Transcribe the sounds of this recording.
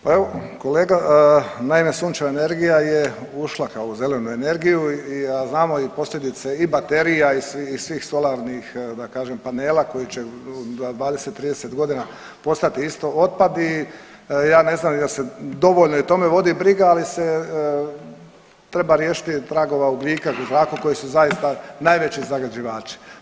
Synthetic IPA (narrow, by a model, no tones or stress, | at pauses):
pae̞ʋo̞ko̞le̞ːɡanaime̞suːnt͡ʃeaene̞ɾɡijaje | uʃlˠakaouze̞le̞nue̞ne̞ɾɡijuiaznaːmo̞ipo̞slʎʲe̞d̪it̪seibat̪e̞ɾijaisiːsʋiːxso̞laɾnixd̪akaːʒempane̞ːlako̞jit͡ɕe̞ad̪ʋaːd̪eset̪ːɾiːd̪eset̪ɡo̞d̪ina | po̞st̪at̪iist̪o̞o̞t̪̚pad̪i | jaːne̞znaːmjelse̞d̪o̞ʋoʎnoit̪o̞me̞ʋo̞d̪ibɾiɡaalise | t̪ɾe̞baɾjeːʃi̥t̪it̪ɾaɡo̞ʋaubʎiːkauzɾaːkuko̞jisuzaist̪anajʋe̞t͡ɕizaɡad͡ʑiʋaːt͡ʃi̥